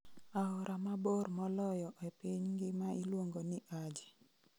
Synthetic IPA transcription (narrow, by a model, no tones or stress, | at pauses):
aɔɾʔamabormɔlɔjɔʔɛpɪɲŋɡɪmailwoŋɡonɪʔad͡ʒɪ